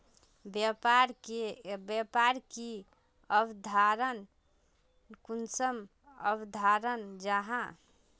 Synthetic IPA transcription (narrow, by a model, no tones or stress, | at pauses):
bpaɾkebapaɾki | əbd̪ʱaɾən | kunsəm | əbd̪ʱaɾənd͡ʒaɦã